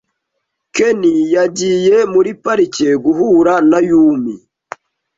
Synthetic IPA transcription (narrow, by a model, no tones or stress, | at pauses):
kenijaɟijemuɾipaɾiceɡuɦuɾanajuːmi